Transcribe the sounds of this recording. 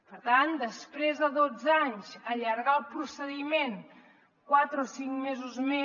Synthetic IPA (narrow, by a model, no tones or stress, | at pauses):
pəɾt̪and̪əspɾezðəðod͡zaɲzəʎəɾɣaəlˠpɾusəðimen | kwat̪ɾəosiŋmezuzme